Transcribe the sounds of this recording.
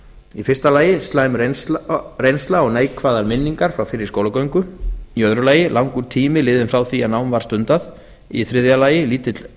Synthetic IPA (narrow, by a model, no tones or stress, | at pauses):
ifɪ̥st̪alaːjɪst̪laːjm | rejnst̪laɔɣneːjkʰvaːðaɾmɪnːiŋkaɾ̥fɾawfɪɾɪɾ̥skowlakœɥŋkʏiœðɾʏlaːjɪlʔawŋkʏt̪ʰiːmɪlɪːðɪnfɾawθianawnvaɾ̥st̪ʏnt̪að | iθɾɪðjalaːjɪliːt̪ɪt̪l